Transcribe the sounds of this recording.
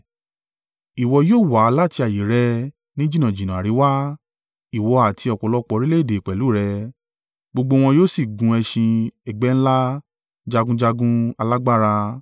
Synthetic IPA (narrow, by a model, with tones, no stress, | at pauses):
i˨wɔ˧joː˦˨wa˨˦˧la˦˨ti˧a˨ji˨˦ɾɛ˧ | nĩ˦d͡ʒi˦nã˨d͡ʒi˨nã˨ɾi˨˦wa˦ | i˨wɔ˧a˨tʰi˧˦ɔ˨kɔ˨lɔ˦k͡pɔ˧ɾi˦le˦˨de˨k͡pɛ˨lu˨˦˨ɾɛ˧ | ɡ͡bo˧ɡ͡bo˧w̃ɔ̃˧joː˦si˦˨ɡũ˧ɛ˧ʃĩ˧ɛ˨ɡ͡bɛ˦n̩˦la˦ | d͡ʒa˧ɡũ˦d͡ʒa˧ɡũ˦a˧la˦ɡ͡ba˦ɾa˧